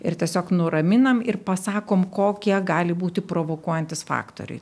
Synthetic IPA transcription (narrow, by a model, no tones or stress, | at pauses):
ɪ̰rt̪ʲiɛsʲoːknʊɾɐmʲɪnɐmɪrpɐsɑːkoːmkoːkʲiɛɡɑːlʲɪbuːt̪ʲɪpɾoːʋoːkuɔjɛnʲt̪ʲɪsfɑ̰ːkt̪o̰ɾʲɛ̰ɪ